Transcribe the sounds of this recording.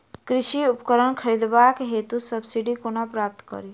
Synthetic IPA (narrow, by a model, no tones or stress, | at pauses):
kɾiʃiʊpkəɾəɳkʰəɾid̪baːkɦet̪usəbsiɖikonapɾaːp̚t̪ʰkə̰ɾi